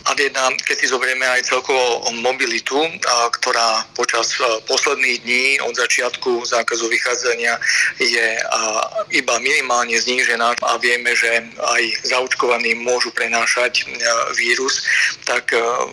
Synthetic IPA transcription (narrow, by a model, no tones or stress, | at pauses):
aɡjɛd̪nakɛcsizɔbɛɾɛmɛajt͡sɛlkɔʋɔmɔbilit̪ukt̪ɔɾaːpɔt͡ʃaspɔslɛd̪niːɣd̪ɲiːɔ̰d̪zat͡ʃɪat̪kuzaːkazuʋixaːd͡zaɲɪajɛ | ibaminimaːlɲɛzɲiːʒɛnaːa̰ʋɪɛmɛʒɛajzaut͡ʃkɔʋaniːmʊɔʒupɾɛnaːʃacʋiːɾust̪ak